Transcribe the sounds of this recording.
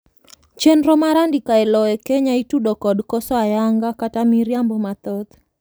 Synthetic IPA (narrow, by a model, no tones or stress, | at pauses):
t͡ʃenɾɔmaɾandikaɛlɔɛkeɲaitudokɔdkɔsɔajaŋɡakatamiɾjambomat̪ɔt̪